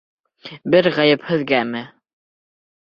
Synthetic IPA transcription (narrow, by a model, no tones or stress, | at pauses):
bɘɾʁɑjɤphɵ̆ðɡæmɘ